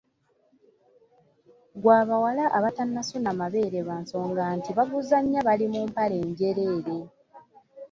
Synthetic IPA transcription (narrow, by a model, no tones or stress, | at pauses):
ɡwaːβawalaʔaβatanːasunamaβe̞ːɾe̞βaːnso̞ːŋɡantiβaɡuzaɲːaβalimuːmpale̞ːɲɟe̞ɾe̞ːɾe̞